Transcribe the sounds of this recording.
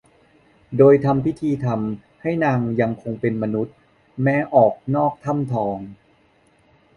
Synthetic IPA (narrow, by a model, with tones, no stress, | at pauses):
doː˧jt̪ʰa˧mpʰi˦˥t̪ʰiː˧t̪ʰa˧m | ha˥˩jnaː˧ŋja˧ŋkʰo˧ŋpe˧nma˧nu˦˥t̪̚ | mɛː˦˥ʔɔː˨˩k̚nɔː˥˩k̚t̪ʰa˥˩mt̪ʰɔː˧ŋ